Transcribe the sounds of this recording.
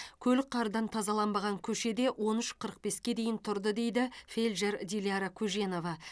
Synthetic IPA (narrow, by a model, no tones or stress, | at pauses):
kʲʰɵlɪk̚qʰɑɾd̪ɑnt̪ʰɑzɑlˠɑnbɑʁɑŋkʲʰɵʃe̞d̪e̞wʔo̞nʏʃqʰəɾəq̚be̞skʲe̞d̪e̞jɪnt̪ʰʊɾd̪əd̪e̞jd̪ɪfe̞lʲʒe̞ɾd̪ʲilʲijaɾakʲʰuʒe̞no̞vɑ